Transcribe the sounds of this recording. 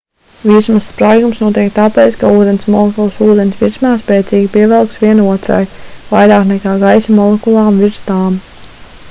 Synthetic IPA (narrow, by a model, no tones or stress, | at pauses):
vismsːpɾajɡumsnuɔt̪iɛk̚t̪aːpeːt̪skauːd̪ensmɔlˠekulˠsuːd̪ensʋiɾsmaːspɛːt̪sʲiːɡʲipiɛvɛlˠksʋiɛnuɔt̪ɾa̰jvajɾaːknɛkaːɡajsimɔlˠekulˠɑːmviɾst̪aːm